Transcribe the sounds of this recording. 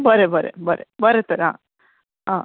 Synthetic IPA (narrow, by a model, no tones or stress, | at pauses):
bəɾebəɾḛbəɾebəɾet̪əɾɦã̰ː | ɦãː